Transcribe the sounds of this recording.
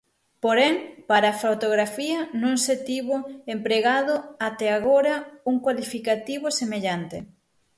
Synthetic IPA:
poɾɛŋpaɾaːfawt̪oɣɾafiɐnõŋset̪iβoempɾeɣaðoat̪ɛaɣoɾɐuŋkwalifikat̪iβosemeʎant̪e

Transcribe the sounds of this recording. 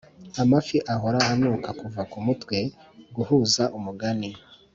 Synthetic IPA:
amafiʔaɦoɾaanuːkakuvakumutwe̞ɡuhuːzaʔumuɡani

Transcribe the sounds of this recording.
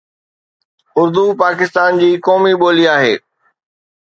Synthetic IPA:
ʊɾd̪upaːkɪst̪aːnd͡ʑiːkɔːmiɓoːliaːɦḛː

